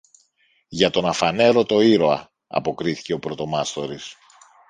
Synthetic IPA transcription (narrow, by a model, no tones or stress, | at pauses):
ʝɐt̪o̞nɐfɐne̞ɾo̞t̪o̞iɾo̞ɐ | ɐ̰po̞kɾiθi̥ce̞o̞pɾo̞t̪o̞mɐst̪o̞ɾis